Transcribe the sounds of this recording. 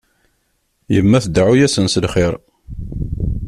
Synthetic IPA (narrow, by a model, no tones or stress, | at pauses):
jəmːæθd̪ʕujæsənsəlχɪɾ